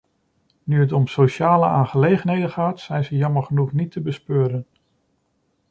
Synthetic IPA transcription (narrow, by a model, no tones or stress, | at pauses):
nyɦətɔmsowʃaːləaːnχəlejχənɦejdəχaːtsɛjnzəjɑməɹχənuχnitʰəbəspøːɾən